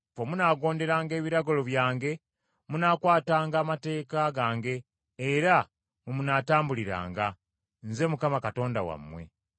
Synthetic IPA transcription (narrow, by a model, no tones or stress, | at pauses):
fomunaːɡo̞ːnde̞ɾaːŋɡe̞ːβiɾaɡolo̞βjaːŋɡe̞ | munaːkwaːtaːŋɡaːmate̞ːkaɡaːŋɡe̞ː | ɾa | mumunaːtaːmbuliɾa̰ːŋɡa | nze̞mukamakato̞ːndawa̰mːwe̞̰